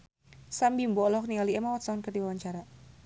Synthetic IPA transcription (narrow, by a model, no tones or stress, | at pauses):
sambimbɔlɔknialiɛmawat̪saɔnkərdiwawaɲt͡ʃaɾa